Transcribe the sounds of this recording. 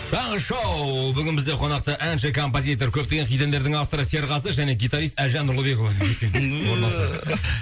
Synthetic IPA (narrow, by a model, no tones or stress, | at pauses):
t̪ʰɑɴəʃɑwbʏɡʲɪnbɪzd̪e̞qʰo̞nɑq̚t̪əʔænʃɪkʰo̞mp̬ozʲit̪̬o̞ɾkʲʰɵp̚t̪e̞ɡʲe̞ɴqʰijt̪end̪e̞ɾd̪ɪŋaft̪o̞ɾəse̞ɾʁɑsəʒæne̞ɡʲit̪ɑɾijst̪ælʒɑnːʊɾlˠəbe̞kovɑek̪ʲewoɾmɑs